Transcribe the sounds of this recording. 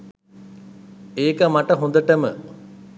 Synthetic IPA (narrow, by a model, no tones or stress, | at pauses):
eːkəmaʈəɦond̪əʈəmə